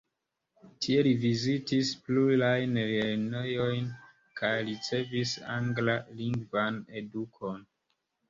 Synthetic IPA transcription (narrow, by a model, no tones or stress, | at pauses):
tʰie̞livizitispluɾajnelenejo̞jn | kʰajɾit͡se̞visa̰ŋɡlaliŋɡvane̞dukʰo̞n